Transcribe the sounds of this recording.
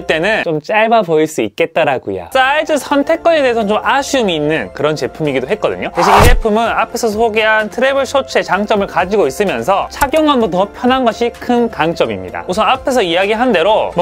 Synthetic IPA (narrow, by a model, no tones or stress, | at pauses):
ɭt͈e̞nɯnt͡ɕomt͡ɕ͈aɭbapoiɭs͈uik̚k͈e̞t̚t͈aɾaɡṵja̰s͈aid͡ʑɯsʰʌntʰe̞k͈ʌne̞de̞ɦesʰʌt͡ɕomaɕʰumiːnːɯnkɯɾʌnt͡ɕe̞pʰumiɡidoɦet̚k͈ʌdɯ̰ɲoteɕʰiid͡ʑe̞pʰumɯnapʰe̞sʰʌsʰoɡe̞ɦantʰɯɾebɯɭɕʰot͡ɕʰe̞t͡ɕaŋt͡ɕ͈ʌmɯɭkad͡ʑiɡois͈ɯmjʌnsʰʌt͡ɕʰaɡjʌŋandotʌpʰjʌnɦanɡʌɕʰikʰɯnkaŋt͡ɕ͈ʌmimɲḭda̰osʰʌnapʰe̞sʰʌiaɡiɦande̞ɾomʌ